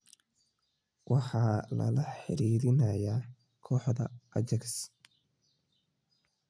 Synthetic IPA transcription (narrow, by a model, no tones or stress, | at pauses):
wɑħɑːlɐ̰lɐħɪ̰ɾiːɾɪnɐjaː | kʰɔːħd̪ɐʔɐt͡ʃɐks